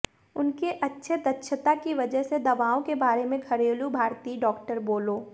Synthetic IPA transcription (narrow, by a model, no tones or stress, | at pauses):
ʊnkeʔɐtːʃʰed̪ɐtːʃʰət̪akiʋɐd͡ʒəɦsed̪ɐʋaːõkebaːɾemẽɡʱɐɾeːlubʱaːɾt̪iːɖɔːkʈəɾboːloː